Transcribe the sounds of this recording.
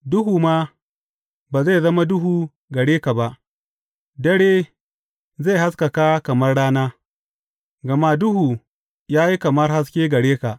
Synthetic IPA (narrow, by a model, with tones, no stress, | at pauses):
dʊ˦ɦuː˨maː˦ | baː˨za˦˨zɐ˦ma˦dʊ˦huː˨ | ɡɐ˨ɽeː˦ka˨ba˦ʔ | dɐ˦ɽeː˦ | za˦˨ha˦ska˨ka˦kɐ˨mɐ˦rɽaː˦naː˦ | ɡɐ˨ma˦dʊ˦huː˨ | jaː˦ji˦kɐ˨mɐ˦rha˦s̬kʲeː˦ɡɐ˨ɽeː˦ka˨ʔ